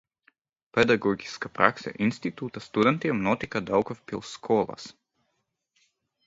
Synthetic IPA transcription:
pɛd̪aɡɔɡiskapɾa̰ksa̰ʔinst̪it̪ut̪ɐst̪ud̪ɛnt̪iɐmnɔt̪ikad̪alˠkɔfpilˠskʰɔlˠa̰s

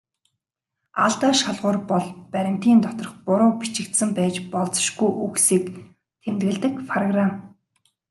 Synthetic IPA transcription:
aɮt̪aːʃaɮʁʊːrpɔɮpæɾʲɪ̆m̥t̪iːnt̪ɔt̪ɞ̆rɞ̆χpʊɾʊːpit͡ɕɪ̆kt̪sɘ̆mpæːt͡ɕpɔɮt͡sɞ̥̆ʃɡujʔuksiːk | t̪ʰemt̪ɣɘ̆ɮt̪ɘ̆kpʰrɔɣram

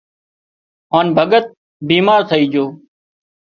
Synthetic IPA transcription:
ɦaːnbʱəɡət̪̚ | biːmaːɾt̪ʰəiːd͡ʒoː

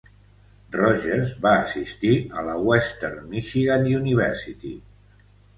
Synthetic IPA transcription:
rɔʒeɾzβaəsist̪iələwɛst̪eɾmiʃiɣanuniβɛɾsit̪i

